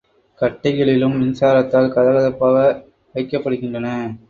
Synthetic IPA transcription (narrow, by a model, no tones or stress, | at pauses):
kɐʈːɐɪɣɐɭɪlɯmʋɪnsaːɾɐt̪ːaːlkɐðɐlɐðɐpːaːɣɐ | ɐɪkːɐpːɐɽɯɣɪndrɐnɐ